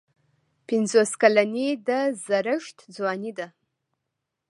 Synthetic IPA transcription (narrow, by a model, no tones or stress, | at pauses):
pʰinzoskalanejdazaɾɨʃtʰd͡zwanida